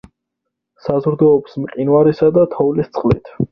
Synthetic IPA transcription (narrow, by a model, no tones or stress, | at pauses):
sazɾd̪ɔːpsmqʼinwaɾisad̪at̪ʰɔvlist̪sʰʼχʼlḭt̪ʰ